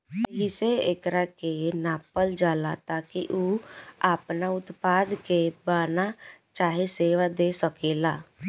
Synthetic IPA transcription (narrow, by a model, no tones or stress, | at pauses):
ɦɪseeːkɾakenaːpəld͡ʒaːlat̪aːkiʔuaːpnaʊt̪paːd̪kebaːnat͡ʃaːɦeseːʋad̪eːsəkeːlaː